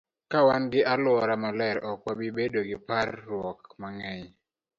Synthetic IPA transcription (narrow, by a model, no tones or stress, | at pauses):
kawanɡɪʔalwɔɾamɔlɛɾɔk̚wabɪbedoɡɪparːwɔkmaŋɛj